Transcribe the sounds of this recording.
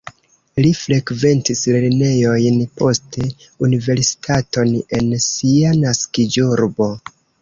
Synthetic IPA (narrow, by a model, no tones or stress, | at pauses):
lifɾe̞kve̞ntisleɾne̞jo̞jnpʰo̞ste̞ | unive̞ɾsi̥tʰato̞ne̞nsianaskid͡ʒuɾbo̞